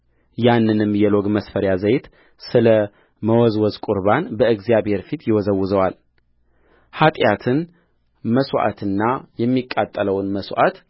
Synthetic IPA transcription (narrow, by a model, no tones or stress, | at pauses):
janːɨnɨmːjɛloɡməsfəɾjazəjt̪ | sɨlə | məwɔzwɔzkʼʊɾbanbəɨɡzijaβhe̞ɾfit̪ʰjɪwɔzəwːʊzəwal | hat̪ʼjat̪ʰɨn | məswʔa̰t̪ʰɨnːajɛmːikʼːat̪ʼːələwnməswʔa̰t̪